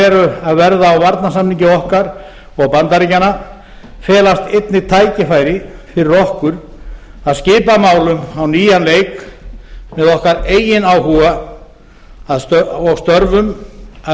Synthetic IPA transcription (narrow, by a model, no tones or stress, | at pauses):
ɛɾʏaðvɛɾðaːwvaɾt̪nasamniɲcɪɔhkaɾ̥ | ɔɣpant̪aɾicana | fɛːlast̪ejt̪nɪt̪ʰaːjcɪfaːjɾɪfɪɾɪrɔhkʏɾ̥ | aðscɪːpamaːwlʏmawniːjanleːjk | mɛðɔhkaɾeːjɪnaːwɦuːɣa | aðsɔɣst̪œɾvʏma